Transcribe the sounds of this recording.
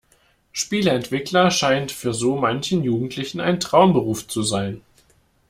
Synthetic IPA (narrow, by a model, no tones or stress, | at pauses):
ʃpiːləɛntv̥ɪklɐʃaɪntfyːɐzoːmançn̩juːɡŋ̩tʰlɪçn̩a̰ɪntʁ̥aʊmbəʁ̞uːft͡suzaɪn